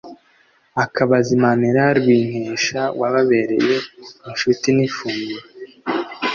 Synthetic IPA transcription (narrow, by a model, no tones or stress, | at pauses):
akʰaβazimaniɾaɾwiːŋ̥heːʃawaβaβe̞ɾe̞̰jeinʃutinifuːŋɡuɾa